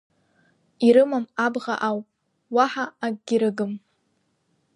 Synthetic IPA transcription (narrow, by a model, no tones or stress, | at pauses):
iɾɨmamabʁa̰ʔaw | waħaːɡɡʲɪɾɨɡɨm